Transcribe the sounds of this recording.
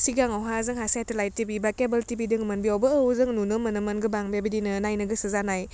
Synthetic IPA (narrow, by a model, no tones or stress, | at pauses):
siɡaŋawɦazɯŋɦasajtəlajtibibakebəltibidɯŋmənbiɔwbəːwzɯŋnunɯmənɯmənɡɯbaŋbebidinɯnajnɯɡɯsɯzanaj